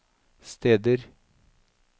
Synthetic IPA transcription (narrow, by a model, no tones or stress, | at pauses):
st̪eːd̪əɾ